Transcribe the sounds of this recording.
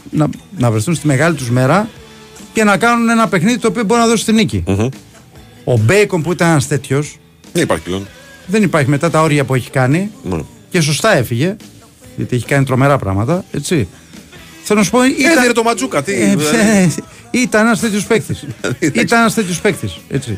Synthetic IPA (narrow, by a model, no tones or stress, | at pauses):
nɐnɐvɾe̞θunst̪ime̞ɣɐlit̪uzme̞ɾɐ | ce̞nɐkɐnune̞nɐpe̞xniðit̪oːpio̞bo̞ɾinɐðo̞si̥st̪inicḭ | o̞be̞jko̞mpuit̪ɐnenɐst̪e̞t̪ços | ðenipɐ̰ɾçlo̰n | ðe̞nipɐɾçime̞t̪ɐt̪ɐo̞ɾʝɐpue̞çi̥kɐnḭ | ce̞s̬o̞st̪ɐe̞fiʝe̞ | ʝɐ̰t̪ieçi̥kɐnit̪ɾo̞me̞ɾɐpɾɐ̰ɣmɐt̪ɐe̞t͡si | θelonɐsu̥poieiɾet̪omɐd͡zukɐt̪i | it̪ɐnenɐst̪e̞t̪ço̞spekθisit̪ɐnenɐst̪e̞t̪ço̞spe̞kt̪iset͡si